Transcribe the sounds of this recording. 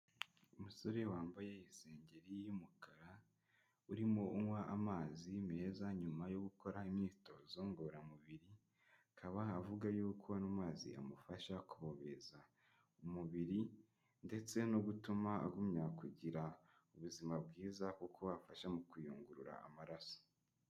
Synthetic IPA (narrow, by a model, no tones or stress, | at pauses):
umuso̞ɾe̞waːmbaje̞ise̞ːɲɟe̞ɾijimukaɾa | uɾimoʔuŋwaʔamaːzime̞ːzaɲumajo̞ɡuko̞ɾaimɲiːto̞zoːŋɡoɾamuβiɾi | akʰaβaːvuɡajukʰuβanumaːzḭʔa̰mufaʃakuβo̞βe̞za | umuβiɾi | nde̞t͡se̞noɡutumaa̰ɡumɲakuɟiɾa | uβuzimabɡiːzakukʰoβafaʃamukujuːŋɡuɾuɾa̰a̰maɾaso̥